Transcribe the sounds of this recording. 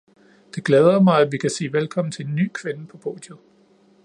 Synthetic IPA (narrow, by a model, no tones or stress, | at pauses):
d̥e̝ɡ̥lɛːð̞ˠɐmɑ̈ɪæʋikʰæsḭːʋelkʰɒ̽m̰n̩t͡sʰe̝e̝nːy̰ːkʰʋe̝nəpʰɒ̽pʰo̝̰ːd̥jo